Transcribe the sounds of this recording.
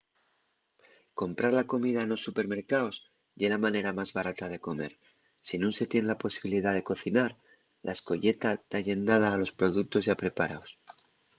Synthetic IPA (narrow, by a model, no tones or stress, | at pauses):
ko̞mpɾaɾlako̞miðaeno̞sːupe̞ɾme̞ɾkaos | ʝe̞lamãne̞ɾamazβaɾat̪að̞e̞ko̞me̞̰ɾ | sinunse̞t̪je̞nlapo̞siβiliðaðe̞ko̞θinaɾ | lʔa̰esko̞ʝe̞t̪at̪aʝe̞nd̪að̞aːlo̞spɾo̞ð̞uk̚t̪o̞zʝapɾe̞paɾaos